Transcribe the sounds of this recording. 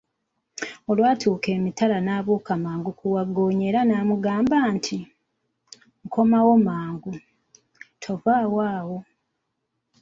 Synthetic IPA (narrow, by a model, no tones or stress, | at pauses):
o̞lwaːtʰuːke̞ːmitalanaːβuːkamaːŋɡukʰuwaɡoːɲe̞ːɾanaːmuɡaːmbaːntʰi | ŋkʰo̞mawo̞maːŋɡu | tʰo̞vaːwaːwo̞